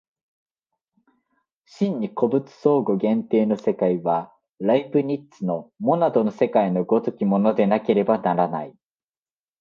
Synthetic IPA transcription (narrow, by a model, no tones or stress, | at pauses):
ɕĩɲ̟ːiko̞bɯ̟t͡sɨ̥so̞ːɡo̞ɡẽ̞nt̪e̞ːno̞se̞kaiβa | ɾaipɯ̟ɲ̟it̪ːt͡sɨno̞mo̞nad̪o̞nose̞kaino̞ɡo̞t̪okʲimo̞no̞d̪e̞nake̞ɾe̞banaɾana̰i